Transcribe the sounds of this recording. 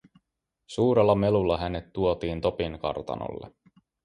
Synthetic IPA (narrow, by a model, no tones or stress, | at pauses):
suːɾelːɑme̞lulːɑɦæne̞t̪ːuot̪iːnt̪o̞piŋkɑ̰rt̪ɑ̰no̰lːḛ